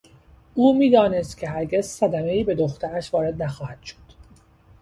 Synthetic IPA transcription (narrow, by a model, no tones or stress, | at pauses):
ʔuːmiːd̪ɒːne̞st̪cʲʰe̞ɦæɾɟe̞zsæd̪æme̞iːbe̞d̪oxt̪ʰæɾæʃvɒːɾe̞d̪næxɒːhæd̪̥ʃo̥d̪̥